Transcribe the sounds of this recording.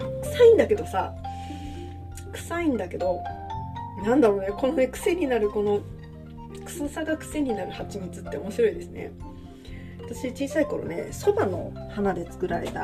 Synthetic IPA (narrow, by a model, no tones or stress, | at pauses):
kɯ̟̥saĩnd̪ake̞d̪o̞sa̰ | kɯ̟̥saĩnd̪ake̞d̪o̞ | nãnd̪aɾo̞ne̞ko̞no̞ne̞kɯ̟̥se̞ɲ̟inaɾɯ̟ko̞no̞ | kɯ̥sɨsaɡakɯ̟̥se̞ɲ̟inaɾɯ̟hat͡ɕimɯt͡sɨt̪ːe̞o̞mo̞ɕiɾo̞id̪e̞sɨne̞̰ | βat̪aɕit͡ɕiːsaiko̞ɾo̞̰ne̞̰so̞bano̞̰hanad̪e̞t͡sɨ̥kɯ̟ɾaɾe̞̰t̪a